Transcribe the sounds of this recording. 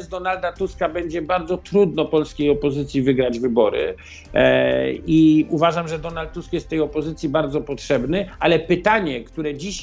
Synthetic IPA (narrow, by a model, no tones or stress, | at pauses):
zd̪ɔnald̪at̪uskabɛɲd͡ʑɛbaɾd̪zɔt̪ɾud̪nɔpɔlskʲejɔpɔzɘt̪sʲjivɘɡɾad͡ʑvɘbɔɾɘ̰ | iuvaʐamʐɛd̪ɔnalt̪̚ːuskjɛst̪ːɛjɔpɔzɘt̪sʲjibaɾd̪zɔpɔtʂɛbnɘʔalɛpɘt̪aɲɛkt̪uɾɛd͡ʑiɕ